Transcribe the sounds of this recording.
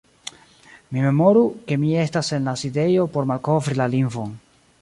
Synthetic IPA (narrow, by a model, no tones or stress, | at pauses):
mime̞mo̞ɾuke̞mie̞stase̞nlaside̞jo̞po̞ɾmalko̞vɾilaliɱvo̞n